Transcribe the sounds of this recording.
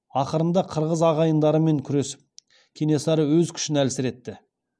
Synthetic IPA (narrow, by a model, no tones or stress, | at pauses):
ɑqəɾənd̪ɑqʰəɾʁəzɑʁɑjənd̪ɑɾəme̞ŋkʲʰʏɾe̞sɪ̥p̚ | kʲʰe̞ne̞sɑɾəwɵzkʲʰʏ̥ʃɪnælsɪɾe̞t̪ːɪ